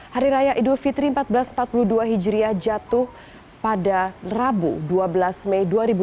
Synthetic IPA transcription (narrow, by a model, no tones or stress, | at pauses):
haɾiɾajaʔidulfit̪ɾimpat̪̚bəlasm̩pat̪̚puluduaɦid͡ʒɾiad͡ʒat̪ʊh | padarabṵduabəlasmɛjduaɾibu